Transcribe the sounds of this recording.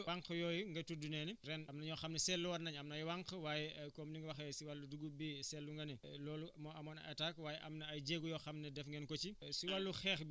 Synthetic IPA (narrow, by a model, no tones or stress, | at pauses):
aŋkjɔːjuŋɡɐtudunɛniɾɛnɐmnɐɲɔːxɐmnɛsɛlːuwɐrnɐɲɐmnɐjwaŋkwaːjɛkɔːmniŋɡɐwɐxɛsiwalːuduɡubisɛlːuŋɡɐnɛlɔːlumɔɐmɔːnɐ̰takwaːjɛʔɐmnɐɐjɟeːɡujɔːxɐmnɐdɛfŋɡɛnkɔt͡ʃisiwalːuxɛːx